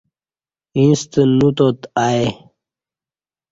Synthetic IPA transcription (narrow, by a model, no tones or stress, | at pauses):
ĩnst̪ənut̪ot̪ae